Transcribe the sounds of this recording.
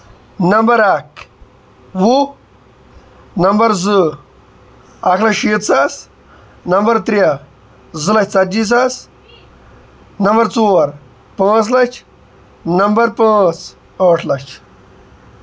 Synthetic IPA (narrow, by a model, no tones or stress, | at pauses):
nɐmbɐɾak | wu | nɐmbɐɾzɨ | ɐkʰlɐʂiːt̪sas | nɐmbɐɾt̪ɾʲa | zɨlɐɕʲt͡sɐt̪̚d͡ʒis̬as | nɐmbɐɾt͡soːɾ | pãːt͡slɐt͡ʃʰ | nɐmbɐɾpãːt͡s | aːʈʰlɐt͡ʃʰ